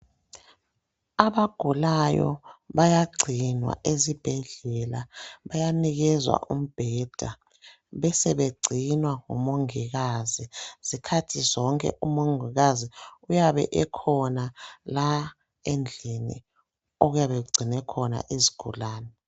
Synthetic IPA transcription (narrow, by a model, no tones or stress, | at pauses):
aβaɡ̥ʱulajɔ̰βajaɡ͡ǀʱinwa̰ʔezib̥ʱɛɮɛlaβajaniɣɛzwa̰ʔum̩b̥ʱɛd̥ʱa | βɛsɛβeɡ͡ǀʱinwaŋumoŋiɣaziz̥ikʰatʰizɔŋkʼɛ̰ʔumoŋiɣaziujaβɛ̰ʔɛkʰɔnala | end͡ɮʱinḭ | oɣujaβɛk̬uɡ͡ǀʱinɛkʰɔna̰ʔezi̥ɡ̥ʱulaːnɛ